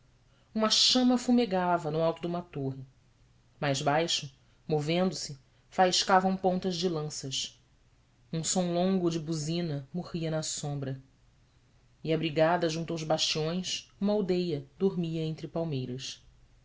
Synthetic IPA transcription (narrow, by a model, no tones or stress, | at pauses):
ũmɐʃɐ̃mɐfumeɡavɐnʊawt̪ʊd̪ʊũmɐt̪oɦɪ | majzbajʃʊ | movẽnd̪ʊsɪ | faiʃkavɐ̃w̃põnt̪ɐzd͡ʒɪlɐ̃sɐʃ | ũsõw̃lõŋɡʊd͡ʒɪbuzĩnɐmoʁiɐnɐsõmbɾɐ | ɪabɾiɡad̪ɐʒũt̪ɐwzbaʃt͡ʃiõj̃sũmɐawd̪ejɐd̪oɾmiɐẽnt̪ɾɪpawmejɾɐs